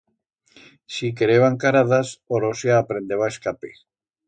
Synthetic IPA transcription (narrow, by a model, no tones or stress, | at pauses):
sik̬eɾeβaŋkaɾaðasoɾoseaːpɾend̪eβaeskape